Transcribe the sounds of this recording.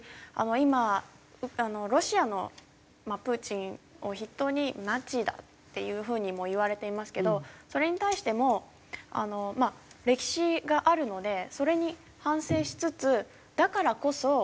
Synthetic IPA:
a̰no̞ima | ɯano̞ɾo̞ɕiano̞ | mapɯ̟t͡ɕĩɰ̃o̞çit̪ːo̞ːɲ̟inat͡ɕid̪a̰t̪ːe̞̰jɯ̟ːɸɯ̟ːɲ̟imo̞iβ̞aɾe̞t̪e̞imasɨ̥ke̞d̪o̞so̞ɾe̞ɲ̟it̪aiɕi̥t̪e̞mo̞ | a̰no̞maɾe̞kʲi̥ɕiɡaʔaɾɯ̟no̞d̪e̞so̞ɾe̞ɲ̟i | hãɰ̃se̞ːɕi̥t͡sɨt͡sɨ | d̪̥akaɾako̞so̞

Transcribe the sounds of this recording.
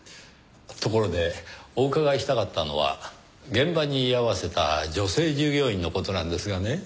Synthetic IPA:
t̪o̞ko̞ɾo̞d̪e̞o̞ːkaɡaiɕi̥t̪akat̪ːano̞̰β̞a̰ | ɡẽ̞mbaɲ̟iːaβase̞t̪a̰d͡ʑo̞se̞ːʑɨːɡʲo̞ːĩnːo̞ko̞t̪o̞nãnd̪e̞sɨɡane̞

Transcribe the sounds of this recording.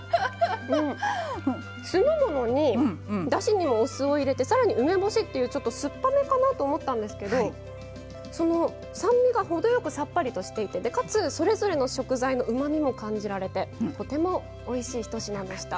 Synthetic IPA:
ɯ̟̃ɴ | sɨmɯmo̞no̞ɲ̟id̪aɕiɲ̟imo̞ːsɨo̞iɾe̞t̪e̞saɾaɲ̟iɯ̟me̞bo̞ɕit̪ːe̞jɯ̟ːt͡ɕo̞t̪ːo̞sɨpːame̞kanat̪o̞ːmo̞t̪ːãnd̪e̞sɨ̥ke̞d̪o̞ | so̞no̞ | sãmbʲiɡaho̞d̪o̞jo̞kɯ̟sapːaɾʲit̪o̞ɕi̥t̪e̞it̪e̞d̪e̞kat͡sɨso̞ɾe̞zo̞ɾe̞no̞ɕo̞kɯ̟zaino̞ʔɯ̟maɲ̟imo̞kãɲ̟d͡ʑiɾaɾe̞t̪e̞t̪o̞t̪e̞mo̞ː | iɕiːçi̥t̪o̞ɕinãnd̪e̞ɕi̥t̪a

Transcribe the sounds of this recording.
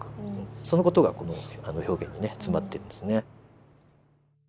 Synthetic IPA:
kɯ̥ɯ̃so̞no̞ko̞t̪o̞ɡa̰ko̞noanoço̞ːɡẽ̞ɲ̟ːine̞t͡sɨmat̪ːe̞ɾɯ̟nd̪esɨne̞

